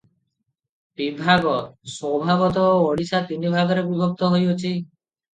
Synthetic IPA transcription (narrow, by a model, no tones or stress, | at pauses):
bibʱaɡɔswɔbʱaɡɔt̪ɔoːɽisat̪inibʱaɡɔɾebibʱɔk̚t̪ɔɦojot͡ʃʰi